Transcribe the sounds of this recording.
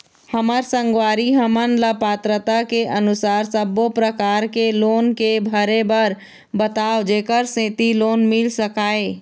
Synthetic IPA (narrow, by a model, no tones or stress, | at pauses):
həməɾsə̃ŋɡwaːɾiɦəmənləpaːt̪ɾət̪akeʔənʊsaːɾsəbopɾəkaːɾkeloːnkebʱəɾebəɾ | bət̪aːod͡ʒeːkəɾsẽːt̪iloːnmɪlsəkaːeː